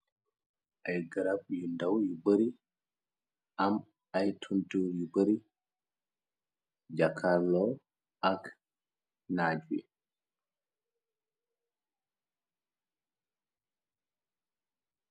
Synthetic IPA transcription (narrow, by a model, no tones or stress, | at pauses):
ʔajɡaɾab̚jundawjubəɾi | ʔam | ajtʰuntuwjubəɾi | d͡ʒakʰalɔ | ʔak | nad͡ʒwḭ